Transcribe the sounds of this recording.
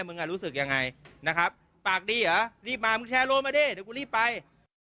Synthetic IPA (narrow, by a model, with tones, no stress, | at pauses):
mɯ˧ŋʔaː˨˩ɾuː˦˥sɯ˨˩k̚ja˧ŋːa˧jna˦˥kʰɾa˦˥p̚ːaː˨˩k̚diː˧˩ʔaː˨˦ɾiː˥˩p̚maː˧mɯ˧ŋt͡ɕʰɛː˧˥loː˧˥˩maː˧deː˧˥˩jdɛ˨˦ku˧ɾiː˥˩pːa˧j